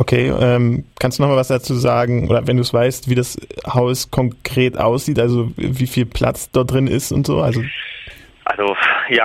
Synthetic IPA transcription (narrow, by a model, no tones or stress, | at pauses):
ʔokʰeːʔɛːmkʰanstd̥uːnɔχmalvasd̥at͡suːzaːɡŋ̩ʔo̰ːdɐvɛnduːɛsv̥aɪstv̥iːdashaʊskʰɔŋkʁ̥eːtʔa̰ʊsz̥iːtʔalzoviːfiːlpʰl̥ʔa̰t͡sd̥ɔɐt̚d̥ʁɪnɪ̰stʊntz̥o̰ːʔalzo | ʔa̰lzojaː